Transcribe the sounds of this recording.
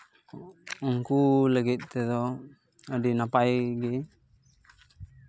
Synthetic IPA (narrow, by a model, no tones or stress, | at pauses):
uŋkuləɡit̪̚t̪ɛt̪ɔ | adinapajɡi